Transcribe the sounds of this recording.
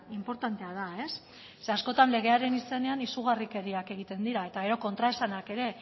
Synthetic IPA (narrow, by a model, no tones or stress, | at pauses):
impo̞ɾt̪ant̪e̞að̞ae̞sː | easko̞t̪anle̞ɣ̞e̞aɾe̞nise̞ne̞anisuɣ̞arike̞ɾiake̞ɣ̞it̪e̞nd̪iɾae̞t̪aɣ̞e̞ɾo̞ko̞nt̪ɾaesanake̞ɾe̞